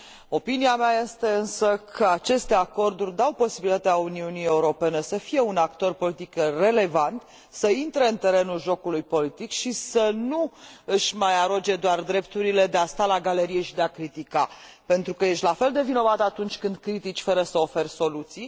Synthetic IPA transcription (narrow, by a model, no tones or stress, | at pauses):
o̞piniameaje̞st̪e̞ɨnsəkʰəat͡ʃe̞st̪e̞ako̞rd̪urʲd̪awpo̞sibilʲit̪at̪eauniunie̞uɾo̞pe̞ne̞səfije̞unakt̪o̞rpo̞lit̪ikre̞le̞vant̪ | səint̪ɾe̞ɨnt̪e̞ɾe̞nulʒo̞kulujpo̞lit̪ikʃisənuɨʃmajaɾod͡ʒe̞d̪oard̪ɾe̞pt̪uɾile̞d̪e̞ast̪alaɡaleɾije̞ʃid̪eakɾit̪ika | pe̞nt̪ɾukəje̞ʃt̪lafe̞ld̪e̞vino̞vat̪əat̪unt͡ʃʲkɨnd̪kɾit̪it͡ʃʲfəɾəsəo̞fe̞rso̞lut̪sij